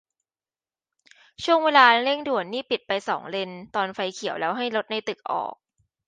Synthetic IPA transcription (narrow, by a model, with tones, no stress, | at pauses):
t͡ɕʰu˥˩əŋweː˧laː˧le˥˩ŋdu˨˩ənːiː˥˩pi˨˩t̪̚pa˧jsɔ̰ː˩˦ŋle˧nt̪ɔː˧nfa˧jkʰi˩˦əwlɛː˦˥wɦa˥˩jlo˦˥t̪̚na˧jt̪ɯ˨˩k̚ʔɔ̰ː˨˩k̚